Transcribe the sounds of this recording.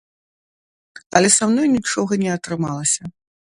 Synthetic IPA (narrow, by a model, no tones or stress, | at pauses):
ɐlʲɛsamnɔjnʲit͡ʂɔɣɐnʲɛɐt̪ɾɨmalˠɐsʲɐ